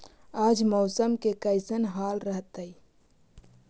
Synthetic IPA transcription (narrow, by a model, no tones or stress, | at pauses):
aːd͡ʒmɔʊsəmkekəɪsənɦaːlɾəɦt̪əi